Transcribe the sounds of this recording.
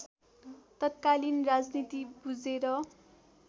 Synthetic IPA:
t̪ʌt̪̚kalinrad͡znit̪ibud͡zeɾʌ

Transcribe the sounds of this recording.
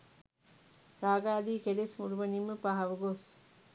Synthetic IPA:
ɾaːɡaːd̪iːkelesmuɾuʋənimːəpaɦaʋəɡos

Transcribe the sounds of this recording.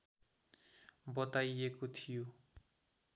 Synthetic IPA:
bʌt̪ajekot̪ʰijo

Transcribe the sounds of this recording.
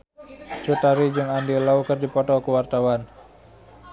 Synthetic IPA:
t͡ʃut̪aɾid͡ʒɨŋandilaukərdipɔtɔkuwart̪awan

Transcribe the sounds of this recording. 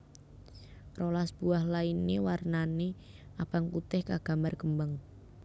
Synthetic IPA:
rolasb̥uahlainewarnane | ab̥aŋkut̪ɪhkaɡ̥a̤mbarkəmbəŋ

